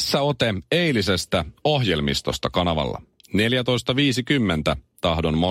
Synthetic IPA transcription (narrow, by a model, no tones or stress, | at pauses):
sːæo̞t̪eejlise̞st̪æo̞ɦje̞lmist̪o̞̰st̪ɑkɑnɑʋɑ̰lːɑ̰ | ne̞ljæt̪o̞jst̪ɑʋiːsikymːent̪æt̪ɑɦdo̞nmo